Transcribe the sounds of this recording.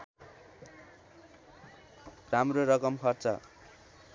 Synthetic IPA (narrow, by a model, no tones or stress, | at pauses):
ramroɾʌkʌmkʰʌrt͡sʌ̰